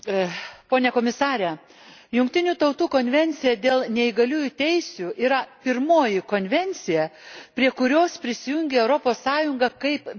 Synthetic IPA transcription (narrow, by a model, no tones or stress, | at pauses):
poːnʲɛkoːmʲɪsɑːɾʲɛ | jʊŋkt̪ʲɪnʲuːt̪ɐʊt̪uːkoːnʲʋʲɛnʲt̪sʲɪjɛd̪ʲeːlˠnʲɛɪɡɐlʲuːjʊt̪ʲɛɪsʲuːʔiːɾɐpʲɪɾmoːjɪkoːnʲʋʲɛnʲt̪sʲɪjɛpʲɾʲiɛkʊɾʲoːspʲɾʲɪsʲɪjʊŋʲɡʲeɛʊɾopoːsːɑːjʊŋɡɐkɐɪp